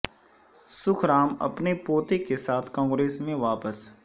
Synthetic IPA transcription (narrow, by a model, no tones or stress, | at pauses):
sʊkʰɾaːmɐ̰pnepoːt̪ekesaːt̪ʰkãːŋɡɾeːsmẽʋaːpəs